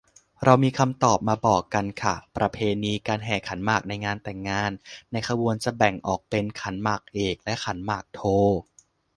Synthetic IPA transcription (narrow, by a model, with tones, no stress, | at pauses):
ɾa˧wmiː˧kʰa˧mt̪ɔː˨˩p̚maː˧bɔː˨˩kːa˧nkʰa˥˩pɾa˧pʰeː˧niː˧kaː˧nɦɛː˨˩kʰa˩˦nmaː˨˩k̚na˧jŋaː˧nt̪ɛ˨˩ŋːaː˧nːa˧jkʰa˧buː˧ənt͡ɕa˨˩bɛ˨˩ŋʔɔː˨˩k̚pe˧nkʰa˩˦nmaː˨˩k̚ʔeː˨˩k̚lɛ˦˥ʔkʰa˩˦nmaː˨˩k̚t̪ʰoː˧˩